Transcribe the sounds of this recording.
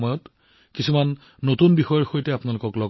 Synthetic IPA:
mɔjɔt | kisumanː | otunbixɔjɔɹxojtɛapʊnalʊkɔklɔɡ

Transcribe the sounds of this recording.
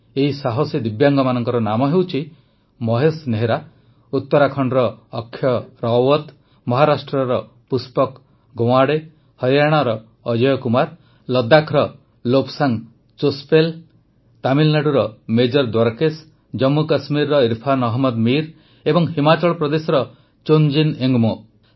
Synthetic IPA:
eɦisaɦɔsid̪ibjaŋɡɔmanɔŋkɔɾɔnamɔɦewt͡ʃʰi | mɔɦesneɦeɾa | ut̪ːɔɾakʰɔɳɖɾɔːkʰːjɔɾɔwɔt̪ | mɔɦaɾasʈɾɔɾɔ | puspɔk | ɡow̃aɽe | hɔjaɽ̃aɾɔː | d͡ʒɔjɔkumaɾ | lɔd̪akʰɾɔ | lopsaŋ | t͡ʃospel | t̪amilnaɽuɾɔmed͡ʒɔɾd̪waɾkes | d͡ʒɔmːukasmiɾːɔiɾpʰanɔɦmɔd̪miɾ | ebɔŋɦimat͡ʃɔɭɔpɾɔd̪esɔɾɔ | t͡ʃond͡ʒineŋɡmɔ

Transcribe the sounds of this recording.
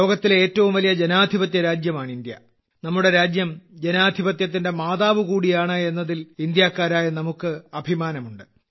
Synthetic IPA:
lo̞ːɡɐt̪ːile̞ːtːɐʋumʋɐlijɐd͡ʑe̞naːd̪ʱibɐt̪jɐɾaːd͡ʑjɐmaːɳind̪jɐ̰ | nɐmːuɽe̞ɾaːd͡ʑjɐmd͡ʑe̞naːd̪ʱibɐt̪jɐt̪̬ːinde̞maːðaːʋɨkuːɽijaːɳɨe̞nːɐðilind̪jaːkːaːɾaːjɐnɐmukːɨɐbʱimaːnɐmuɳɖɨ

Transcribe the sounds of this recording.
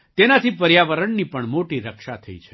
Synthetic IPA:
t̪enat̪ʰipəɾjaʋəɾəɳnipəɳmoʈiɾəkʃat̪ʰəḭt͡ʃʰe̥

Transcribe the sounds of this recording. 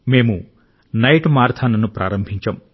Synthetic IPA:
me̞ːmu | nɐjʈmaːɾt̪ʰaːnɐnupɾa̰ːɾɐmbʱiɲt͡ʃɐm

